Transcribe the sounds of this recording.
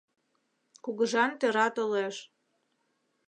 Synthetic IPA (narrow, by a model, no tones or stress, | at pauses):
kuɣəʒɑnt̪eɾɑt̪oleʃ